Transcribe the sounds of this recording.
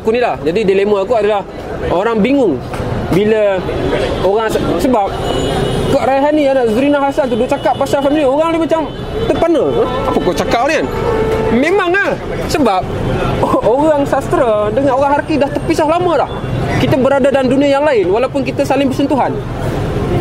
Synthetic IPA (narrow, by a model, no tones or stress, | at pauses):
akunilahd͡ʒadidileməakuadalah | oɾaŋbiŋʊŋbilə | oɣaŋssəbap̚kəʔɾaɦanianaʔzuɾinaɦasant̪̬udʊʔt͡ʃakaʔ̚pasasaminoɣaŋlahmat͡ʃam | t̪əpanəəapəkot͡ʃakaʔoɾianmemaŋah | səbap̚ | oɣaŋsast̪ɾədəŋanoɾaŋhaɾakidaht̪əpisahlaməlah | kit̪abəɾadadanduniajaŋlaɪnwalaupʊnkit̪asalɪŋbərsənt̪uɦan